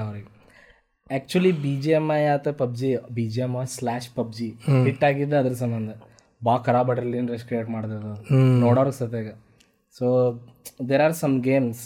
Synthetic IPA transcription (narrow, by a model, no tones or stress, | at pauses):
ɐʋɾɡe | æːk̚t͡ʃuɐlibiːd͡ʒiɐmajaːt̪ɐpɐb̚d͡ʒibiːd͡ʒiɐmaslaːʃpɐb̚d͡ʒiɦiʈːaːɡid̪ːɐɐd̪ɐɾɐsɐmbɐnd̪ɐ | baːkɐɾaːbɐʈɾɐlienɾeskɾeːʈmaːɽd̪ɐd̪ɐnoːɽaːɾɡsɐt̪eːɡɐ | soːd̪eːɾaːɾsɐmɡeːms